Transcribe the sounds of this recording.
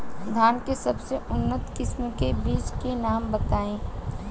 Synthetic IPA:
d̪ʱaːnkesɐbseʔʊnːət̪kɪsmkebiːt͡ʃkenaːmbɐt̪aːẽː

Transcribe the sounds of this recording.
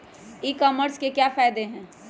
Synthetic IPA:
ikɔməɾskekjafaːɪd̪eɦɛ̃ː

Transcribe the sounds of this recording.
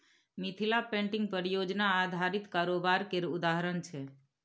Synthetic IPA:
mit̪ʰilapẽɳʈɪ̃ŋɡ̚pəɾjod͡ʒnaːd̪ʱaɾit̪kaɾobaɾkeɾʊd̪aɦəɾənt͡ʃʰe

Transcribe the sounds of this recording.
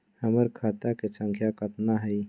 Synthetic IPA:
həməɾkʰaːt̪akesə̃ŋkʰjakət̪naɦəi

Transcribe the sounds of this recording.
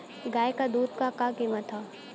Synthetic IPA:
ɡaːjkad̪uːd̪̚kakakimət̪ʰa

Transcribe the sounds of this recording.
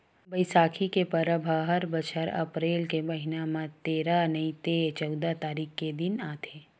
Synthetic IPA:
bəɪsaːkʰikepɐɾəbʱaɦəɾbət͡ʃʰəɾɐ̰pɾeːlkemɐɦɪnamãt̪eːɾanɐit̪et͡ʃɐʊd̪at̪aːɾiːkked̪ɪnaːt̪ʰeː

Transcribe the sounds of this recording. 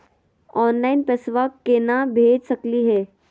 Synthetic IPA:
ɔːnlaːɪnpesʋakːenabʱeːd͡ʒsəkliɦɛː

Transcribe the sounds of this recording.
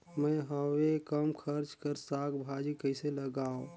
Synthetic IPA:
mə̃ɦəwekəmkʰəɾt͡ʃkəɾsaɡbʱad͡ʒikəɪseləɡaːõ

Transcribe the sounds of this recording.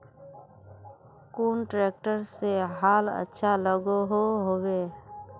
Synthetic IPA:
kuːnʈɾeːk̚ʈəɾseɦaːlə̰tːʃʰaləɡoɦoɦoweː

